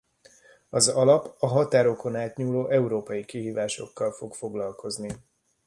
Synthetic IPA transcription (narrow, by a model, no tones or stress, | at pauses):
ɒzɒlɒpɒɦɒt̪aːɾo̞ko̞naːt̪ɲuːloːʔɛuɾoːpɒjikiɦiːvaːʃo̞̰kːɒlfo̞kfo̞ɡlɒlkʰo̞zni